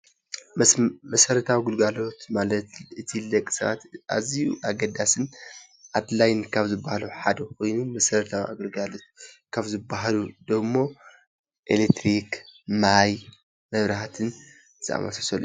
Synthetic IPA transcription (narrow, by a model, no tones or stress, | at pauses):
mɐsɐɾɐt̪ʰawiɡulɡalo̞t̪malɐt̪ɨt̪ʰilɐkʼːi̥sɐ̰βa̰t̪ʔa̰zijuʔaɡɐd̪asɨn | ʔad̪lajnkʰaβzɨbːahaluħad̪ɐkʰo̞jnumɐsɐɾɐt̪ʰawa̰ɡɐlɡalo̞t̪ | kʰaβzɨbaɦalud̪ɐmːo̞ | ʔḛlekt̪ɾikmaj | mɐβɾaat̪ʰɨn | z̥ɨa̰ma̰sasɐl